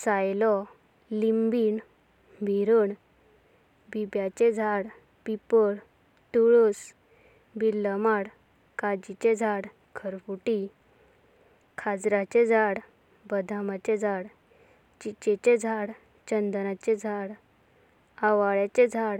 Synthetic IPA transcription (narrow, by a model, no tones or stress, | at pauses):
sajlɔ | limbin | bʱiɾəɳ | bibjat͡ɕed͡zʱaɽ | pipəɽ | ʈuɭus | bilːəmaɽ | kad͡ʑit͡ɕed͡zʱaɽ | kʰəɾfuʈi | kʰad͡zɾat͡ɕed͡zʱaɽ | bəd̪ʱamat͡ɕed͡zʱaɽ | t͡ɕit͡ɕet͡ɕed͡zʱaɽ | t͡ɕənd̪ənat͡ɕed͡zʱaɽ | aʋaɭjat͡ɕed͡zʱaɽ